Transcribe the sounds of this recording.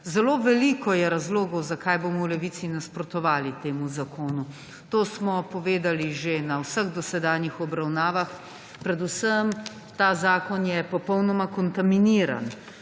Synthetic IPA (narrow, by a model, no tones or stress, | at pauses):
zɛloːʋɛliːkɔjɛɾazloːɡɔwzakajboːmɔwlɛʋiːt̪sinaspɾɔt̪ɔʋaːlit̪eːmuzakoːnu | t̪oːsmɔpɔʋeːd̪aliʒenawsəɣd̪ɔsɛd̪aːnjixɔbɾawnaːʋax | pɾɛd̪usəm | t̪aːzaːkɔnjɛpɔpɔwnɔmakɔnt̪aminiːɾa̰n